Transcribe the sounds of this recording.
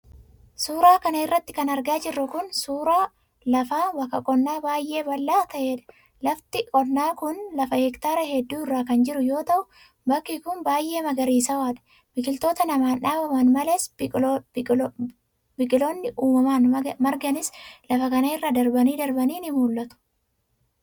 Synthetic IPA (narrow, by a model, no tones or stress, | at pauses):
suːɾaːkɐnɐɪrːɐt̪ːɪ̥kɐnɐɾɡaːd͡ʒɪrːʊkʊnsuːɾaː | lɐfaːwɐkːɐkʼɔnːaːbaːjʔe̞ːbɐlːaːt̪ɐʔeːᶑɐ̥ | lɐft̪ɪkʼɔnːaːkʊnlɐfɐhɛkt̪aːɾɐhɛd̪ːuːɪrːaːkɐnd͡ʒɪɾʊjo̞ːt̪ɐʔʊ | bɐkːiːkʊnbaːjʔe̞ːmɐɡɐɾiːsɐwaːᶑɐ̥ | b̥ɪkʼɪlt̪o̞ːt̪ɐnɐmaːnᶑaːbɐmɐnmɐleːs | bɪkʼɪloːnːɪʔuːmɐmaːnmɐɾɡɐnɪslɐfɐkɐnɐɪrːaːd̪ɐɾbɐniːd̪ɐɾbɐniːnɪmuːlːɐt̪ʊ̥